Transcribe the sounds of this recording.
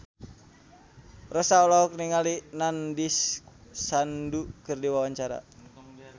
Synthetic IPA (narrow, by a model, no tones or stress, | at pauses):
rɔsaɔlɔɔk̚niŋalinandisː | andukɨrdiwawaɲt͡ʃaɾa̰